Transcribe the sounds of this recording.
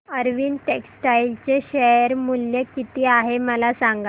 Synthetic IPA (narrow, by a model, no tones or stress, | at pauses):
əɾʋiːnʈeksʈailt͡ɕeɕejəɾmuljekit̪iːaɦeməlasãŋɡa